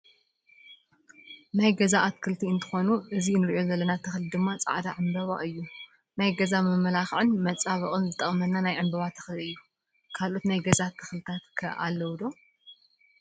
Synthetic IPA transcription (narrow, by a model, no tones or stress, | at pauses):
najɡɐzaʔat̪kʰɨlt̪ʰiɨnt̪ʰɨ̥xo̞nuʔɨzinɨɾiʔo̞zɐlːɐnat̪ʰɐxlid̪ɨmːat͡sʼa̰ʕd̪aʕɨmbɐβa̰ʔɨjːu | najɡɐzamɨmɐlaxʕɨnmɐt͡sʼaβɐχʼɨnzɨt̪ʼɐχʼmɐnːanajʕɨmbɐβat̪ʰɐ̥xlɨjːu | kʰalʔo̞t̪najɡɐzat̪ʰːɨ̥xlɨt̪ʰat̪kʰɐ̰ʔa̰lːɐwd̪o̞